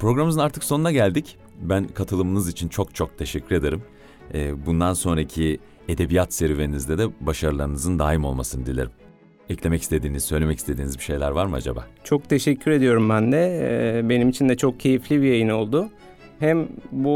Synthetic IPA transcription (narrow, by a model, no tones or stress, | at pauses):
pɾo̞ɡɾamɯzɯnaɾt̪ʰɯkso̞nunaɟælʲd̪ic | bænkʰat̪ʰɯlˠɯmɯnɯzit͡ʃʰint͡ʃʰo̞kt͡ʃʰo̞k̚t̪ʰe̞ʃɛcʰːyɾe̞d̪eɾɯm | ɛːbund̪anso̞nɾacʰi | e̞d̪e̞bijat̪seɾveɾinizd̪ɛd̪ɛbaʃaɾɯlˠaɾɯnɯzɯnd̪aːjimo̞lˠmasɯnɯd̪ilʲeɾim | ɛclʲe̞mɛci̥st̪ʰe̞d̪iːnizsø̞jlʲe̞mɛci̥st̪e̞d̪iːnizbiʃe̞jlʲæɾvaɾmɯad͡ʒaba̰ːt͡ʃʰo̞k̚t̪ʰe̞ʃɛcʰːyɾe̞d̪ijo̞ɾumbænd̪ɛbe̞nimit͡ʃʰind̪ɛt͡ʃʰo̞k̚cʰe̞jiflʲibijejino̞lˠd̪ʊ | hæmbu